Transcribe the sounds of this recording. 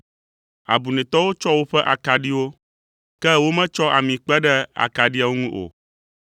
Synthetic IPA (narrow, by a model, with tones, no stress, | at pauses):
a̰˨bu˨nɛ̃˨t̪ɔ˦wo˦t͡ʃɔ˦wo˦ɸɛ˦ʔa˨ka˨ɖi˦wo˦ | kɛ˦wo˦mɛ̃˦t͡ʃɔ˦ʔa˨mĩ˨k͡pɛ˦ɖɛ˦a̰˨ka˨ɖi˦a˨wo˦ŋũ˦ʔo̰˨